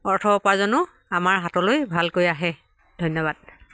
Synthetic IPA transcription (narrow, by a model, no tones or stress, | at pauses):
ɔɹtʰɔɔpazɔnʊ | amaɹɦatɔlojbʱalkojaɦɛ | dʱojnːɔβad̚